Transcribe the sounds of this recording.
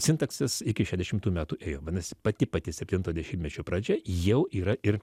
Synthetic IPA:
sʲɪnt̪ɐksʲɛsɪkʲɪʃʲɛːzʲd̪ʲɛʃʲɪmt̪uːmʲæːt̪uːʔeːjoːʋʲɐnɐsʲɪpɐt̪ʲɪpɐt̪ʲɪsʲɛpʲt̪ʲɪnt̪oːd̪ʲɛʃʲiːbʲmʲɛt͡ʃʲoːpɾɑːd͡ʒʲɛjɛʊʔiːɾɐʔɪr

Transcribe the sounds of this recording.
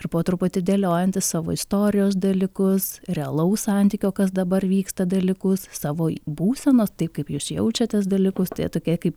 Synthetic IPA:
ɪrpoːt̪ɾʊpʊt̪ʲɪd̪ʲeːlʲoːjɛnʲt̪ʲɪssɑːʋo̰ɪst̪oːɾʲɪjoːs̬d̪ɐlʲɪkʊsrʲɛɐlˠɐʊssɑnʲt̪ʲiːkʲoːkɐsd̪ɐbɐrʋʲiːkst̪ɐd̪ɐlʲɪkʊssɑːʋoːbuːsʲɛnoːst̪ɐɪpkɐɪpjuːsjɛʊt͡ʃʲɛt̪ʲɛs̬d̪ɐlʲɪkʊst̪ɐɪt̪oːkʲiɛkɐɪp

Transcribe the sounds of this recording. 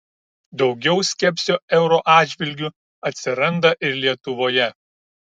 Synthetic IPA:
d̪ɒʊɡʲɛʊsʲkʲɛpʲsʲoɛʊɾoːʔɑːd̪d͡ʒʲʋʲɪlʲɡʲuˑ | ɐt̪ʲsʲɪɾɐnd̪ɐʔɪɾlʲiɛt̪ʊʋoːjɛ

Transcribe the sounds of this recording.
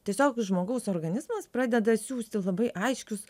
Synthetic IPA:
tʲiɛsʲoːkʒmoːɡɐʊsoːrɡɐnʲɪzmɐspɾɑːd̪ʲɛd̪ɐsʲuːsʲt̪ʲɪlˠɐbɐɪʔɐɪʃʲkʲʊs

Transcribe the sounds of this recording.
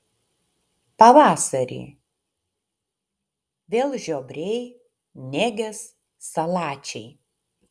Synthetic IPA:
pɐʋɑːsɐɾʲḭː | ʋʲeːlˠʒʲoːbʲɾʲɛɪ | nʲɛːɡʲɛsː | ɐlˠɑːt͡ʃʲɛɪ

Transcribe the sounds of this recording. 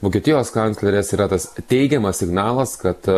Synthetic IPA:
ʋoːkʲiɛt̪ʲɪjoːskɐnslʲɛɾʲeːsiːɾɐt̪ɐst̪ʲɛɪɡʲɛmɐsʲsʲɪɡnɑːlˠɐskɐt̪

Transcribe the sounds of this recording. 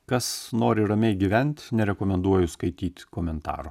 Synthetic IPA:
kɐsnoːɾʲɪɾɐmʲɛɪɡʲiʋʲɛnʲt̪ʲnʲɛɾʲɛkoːmʲɛnd̪uɔjʊskɐɪt̪ʲiːt̪ʲkoːmʲɛnt̪ɑ̰ːɾʊ

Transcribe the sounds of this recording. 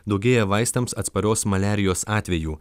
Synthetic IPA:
d̪ɐʊɡʲeːjɛʋɐɪst̪ɐmsɐt̪spɐɾʲoːsmɐlʲæːɾʲɪjoːsɑːt̪ʲʋʲɛjuː

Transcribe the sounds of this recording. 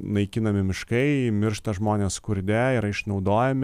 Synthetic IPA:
nɐɪkʲɪnɐmʲɪmʲɪʃkɐɪmʲɪɾʃt̪ɐʒmoːnʲeːskʊɾʲd̪ʲɛɪɾɐɪʃnɒʊd̪oːjɛmʲɪ

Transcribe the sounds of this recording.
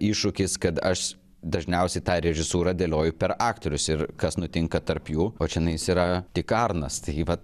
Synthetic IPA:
iːʃʊkʲɪskɐt̪ɐʃ | d̪ɐʒʲnʲɛʊsʲɛɪt̪ɑːɾʲɛʒʲɪsuːɾɐːd̪ʲeːlʲoːjʊpʲɛɾɑːkt̪oɾʲʊsɪɾkɐsnʊt̪ʲɪŋkɐt̪ɐɾpjuːoːt͡ʃʲɛnɐɪjsiːɾɐt̪ʲɪkɐrnɐst̪ɐɪʋɐt̪

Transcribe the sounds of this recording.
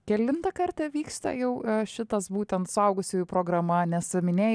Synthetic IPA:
kʲɛlʲɪnt̪ɐkɐrt̪ʲɐʋʲiːkst̪ɐ̰jɛʊʃʲɪt̪ɐsbuːt̪ʲɛnt̪sʊɐʊɡʊsʲʊjʊpɾoːɡɾɐmɐnʲɛsmʲɪnʲeː

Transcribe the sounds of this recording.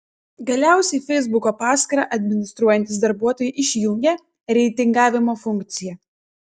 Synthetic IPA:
ɡɐlʲæˑʊsʲɛɪfʲɛɪzbʊkoːpɑːsʲkɐɾɑ̰ːʔɐd̪ʲmʲɪnʲɪst̪ɾuɔjɛnʲt̪ʲɪsd̪ɐɾbuɔt̪oːjɛʔɪʃʲjʊŋʲɡʲɛ | ɾʲɛɪt̪ʲɪŋɡɑːʋʲɪmoːfʊŋʲkt̪sʲɪjɛ

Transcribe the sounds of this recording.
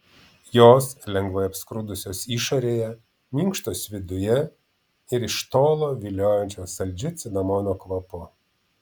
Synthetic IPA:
joːslʲɛŋɡʋɐɪɐpskɾʊd̪ʊsʲoːsiːʃoɾʲeːjɛ | mʲiŋkʃt̪oːsʋʲɪd̪ʊjɛ | ɪɾɪʃt̪oːlˠoːʋʲilʲoːjɛnʲt͡ʃʲoːsɐlʲd͡ʒʲʊt̪sʲɪnɐmoːnʲoːkʋɐpʊ

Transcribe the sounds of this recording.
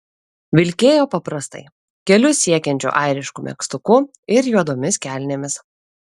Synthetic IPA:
ʋʲɪlʲkʲeːjoːpɐpɾɐst̪ɐ̰ɪ | kʲɛlʲʊsʲiɛkʲɛnʲt͡ʃʲṵːʔɑɪɾʲɪʃkumʲɛ̰kst̪ʊkʊ | ɪɾjuɔd̪oːmʲɪskʲæˑlʲnʲemʲɪs

